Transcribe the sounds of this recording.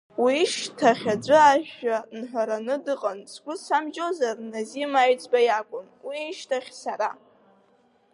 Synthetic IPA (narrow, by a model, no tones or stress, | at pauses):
wiʃtʰaχʲad͡zʷɨaʒᶣanħʷaɾanɨdɨqʼansɡʷʊsamd͡ʒozarnazimaɥt͡sʼbajakʷʼʊn | wiːʃtʰaχʲsaɾa